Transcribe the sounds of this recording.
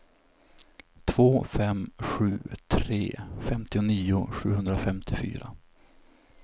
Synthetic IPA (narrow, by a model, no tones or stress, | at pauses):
t̪ʰv̥oːfɛmɧʉ̟ːt̪ʰɾḛːfɛmt̪ɪʊniːʊɧʉ̟ːhɵnd̪ɾafɛmt̪ʰɪfy̰ːɾa